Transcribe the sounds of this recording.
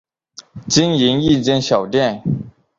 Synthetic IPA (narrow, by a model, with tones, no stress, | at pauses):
t͡ɕi˥ŋi˧˥ŋi˥˨t͡ɕjɛ˥nɕjɑ˨˩ʊt̪jɛ˥˨n